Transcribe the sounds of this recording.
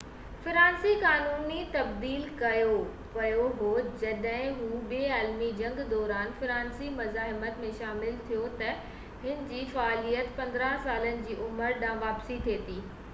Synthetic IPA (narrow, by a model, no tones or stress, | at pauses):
fɪɾaːnsikaːnuːnit̪ɐbd̪iːlkɐjo | ʋɐjoɦod͡ʑɐɗɦɪ̃ɦũɓeːaːlmid͡ʑɐ̃ŋɡd̪ɔːɾaːnfɪɾaːnsimɐzaːɦɪmət̪mẽʃaːmɪlt̪ʰijot̪ɐ | ɦɪnɪ̆d͡ʑiːfɐaːlijət̪pɐ̃nd̪ɾãsaːlənɪ̆d͡ʑiːʔʊməɾɗãːʋaːpsit̪ʰeːt̪iː